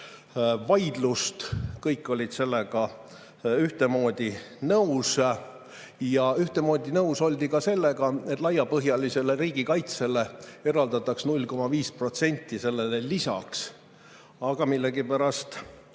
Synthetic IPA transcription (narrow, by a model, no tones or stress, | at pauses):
vɑjd̪lust̪kɤjkːˑo̞lʲid̪̥se̞lːe̞ɡ̥ɑ | yht̪e̞mo̞ːd̪̥ʲi | nɤws | jɑyht̪e̞mo̞ːd̪ʲinɤuwso̞lʲd̪ikɑse̞lːe̞ɡɑe̞t̪ːˑlɑjɑpɤɦjɑlise̞le̞riːɡikɑjt̪se̞le̞e̞ɾɑld̪ɑt̪ːˑɑksnulʲko̞mɑviːspro̞t̪se̞nʲt̪ʲˑːise̞lːe̞lelisɑ̰ks | ɑɡ̥ɑmilːe̞ɡipæɾɑst̪